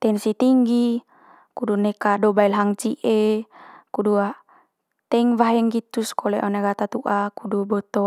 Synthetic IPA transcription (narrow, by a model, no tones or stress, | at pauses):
t̪ɛnsit̪iŋɡi | kudunekadɔbailɦaŋt͡ʃiʔe | kudua | t̪ɛŋvaɦɛŋɡit̪uskolɛʔɔnaɡat̪at̪uʔakudubɔt̪ɔ